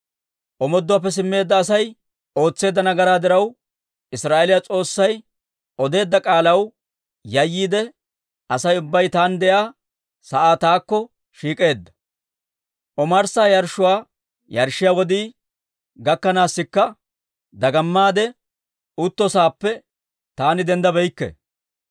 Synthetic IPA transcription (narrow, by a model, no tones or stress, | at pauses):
ʔɔmɔd̪ːʊwaːp̬ːɛs̬ɪmːe̞ːd̪ːɐːsɐj | o̞ːt͡sːe̞ːd̪ːɐnɐɡɐɾaːd̪ɪɾɐw | ɪsɾaːʔelɪjat͡sʼo̞ːsːɐj | ɔd̪e̞ːd̪ːɐkʼaːlɐw | jɐjːiːd̪ɛ | ɐsɐjʊbːɐjt̪aːnd̪ɛjaː | sɐʔaːt̪aːkːɔ | ʃiːkʼe̞ːd̪ːɐ̥ | ʔɔmɐɾsaːjɐɾʃʊwaː | jɐɾʃːɪjawɔd̪iː | ɡɐkːɐnaːsːɪkːɐ | d̪ɐɡɐmːaːd̪ɛ | ʊt̪ːɔsaːpːɛ | t̪aːnɪd̪ɛnd̪ɐbɛjkːɛ̰